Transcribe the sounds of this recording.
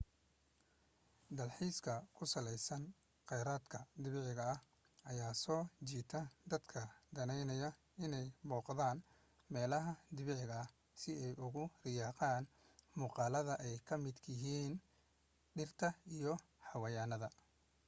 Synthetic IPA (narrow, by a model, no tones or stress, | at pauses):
d̪ɐlħiːskʰɐkʰʊsɐlɛjsɐn | qɛjɾaːd̪kʰɐd̪ɪβɪʕɪɣɐɐh | ɐjaːsɔːt͡ʃiːt̪ʰɐd̪ɐd̪kʰɐd̪ɐnɛjnɐjɐ | ɪnɛjmɔːqðaːn | mɛːlɐɦɐd̪ɪβɪʕɪɣɐɐ | sɪɛjʔʊɣʊrɪjɑːqɑːn | muːqɑːlɐðɐʔɛjkʰɐmɪd̪kʰɪɦiːn | ɖɪrt̪ʰɐijɔ | ħɑwɐjaːnɐðɐ